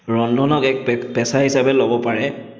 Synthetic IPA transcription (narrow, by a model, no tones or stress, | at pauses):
ɹɔndɔnɔkɛk̚pɛsaɦisabɛlobɔpaɹɛ